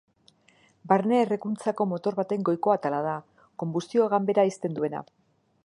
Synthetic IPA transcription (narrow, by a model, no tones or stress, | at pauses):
baɾne̞ːre̞kunt͡sako̞mo̞t̪o̞ɾβat̪e̞ŋɡo̞jko̞at̪alað̞a | ko̞mbust̪io̞ɣambe̞ɾaist̪e̞nd̪ue̞na̰